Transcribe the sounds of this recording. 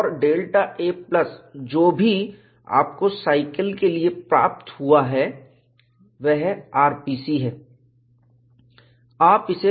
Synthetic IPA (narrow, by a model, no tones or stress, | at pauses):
ɔɾɖeːlʈaʔeːplɐsd͡ʒoːbʱi | a̰ːpkosaːɪkəlkeliepɾa̰ːp̚t̪huaɦɛ | ʋɛɦaːɾpiːsiɦɛː | aːpɪse